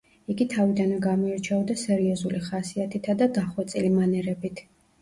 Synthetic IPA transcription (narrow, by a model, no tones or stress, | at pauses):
iɡit̪ʰavid̪anmɡamɔiɾt͡ʃʰɛɔd̪asɛɾiɔzuliχasiat̪ʰit̪ʰad̪ad̪aχwɛt̪sʼilimanɛɾɛbit̪ʰ